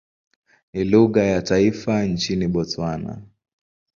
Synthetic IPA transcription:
niluɣajataifant͡ʃiniɓɔtwana̰

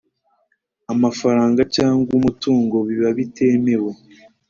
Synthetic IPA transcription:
amafaɾaːŋɡacaːŋɡumutuːŋɡo̞βiβaβitʰe̞ːme̞we

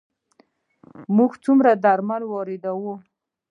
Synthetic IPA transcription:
muɡt͡sumɾad̪aɾmalwɑɾed̪awu

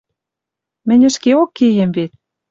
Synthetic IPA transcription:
mɘ̆nʲə̆ʃkeokːejĕmβet̪̚

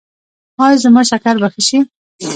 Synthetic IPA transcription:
hɑjzəmɑʃakaɾbaxəʃi

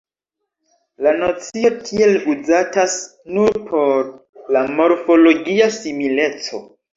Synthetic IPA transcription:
lanot͡sio̞tʰie̞luzatas | nuɾpʰo̞ɾ | lamo̞ɾfo̞lo̞ɡiasimile̞t͡so̞̰

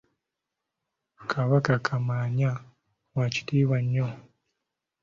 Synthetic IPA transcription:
kʰaβakakʰamaːɲa | waci̥tiːβaɲːo

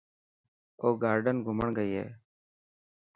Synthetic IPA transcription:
oːɡaːɾɖənɡʱʊməɳɡəiːɦḛː

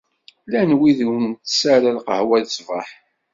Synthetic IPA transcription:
lænwiðuwnt̪sæɾalqəhwælsvə̰ħ

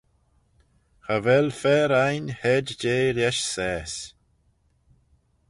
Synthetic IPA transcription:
xavɛlfɛːɾajnhɛdd͡ʒeːɾjɛʃsɛːs

